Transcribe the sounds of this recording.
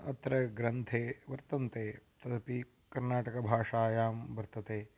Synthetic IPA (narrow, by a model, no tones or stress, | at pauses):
ɐ̰t̪ɾɐɡɾɐnt̪ʰeːʋɐɾt̪ɐnt̪eːt̪ɐd̪ɐpi | kɐɾnaːʈɐkɐbʱaːʂaːjaːmbɐɾt̪ɐt̪eː